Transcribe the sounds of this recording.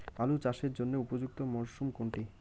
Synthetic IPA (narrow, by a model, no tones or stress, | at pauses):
alut͡ɕaʃeɾd͡ʑonːeupod͡ʑuk̚t̪omoʃumkoɳʈi